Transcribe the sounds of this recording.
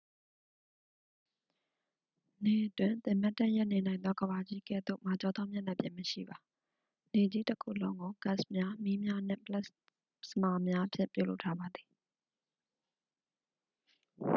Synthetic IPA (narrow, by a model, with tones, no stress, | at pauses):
ne˦˨ʔətwɪ̃˨nt̪ɪ̃˨ma˦tːa˦ʔjɛ˦ʔne˨nã˨ɪ̃nd̪ðɔ˦ɡəba˨d͡ʑi˦kɛ̰˦˨d̪o̰˦˨ma˨t͡ɕɔ˦˨d̪ã˦mjã˦˨na˦˨pjɪ̃˨məʃḭ˦˨ba˨ | ne˨d͡ʑi˦təkʰṵ˦˨lõ˦ʊ̃ŋɡo˨ɡa˦ʔsmja˦mi˦mja˦n̥ɪ̰̃˦˨pəla˦ʔ | səma˨mja˦ʔəpʰjɪ̰̃˦˨mpjṵ˦˨lo̰˦ʊʔtʰːa˦ba˨d̪ði˨